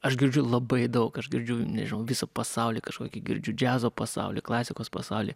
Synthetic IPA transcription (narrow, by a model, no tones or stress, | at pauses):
ɐʃɡʲɪɾʲd͡ʒʲʊlˠɐbɐɪd̪ɐʊkɐʃɡʲɪɾʲd͡ʒʲʊnʲɛ̰ʒʲɪnɐʊʋʲɪsopɐsɐʊlʲiːkɐʃkoːkʲiɡʲɪ̰ɾʲd͡ʒʲʊd͡ʒʲæːzoːpɐsɑ̰ʊlʲḭːklˠɑːsʲɪkoːspɐ̰sɐʊlʲḭː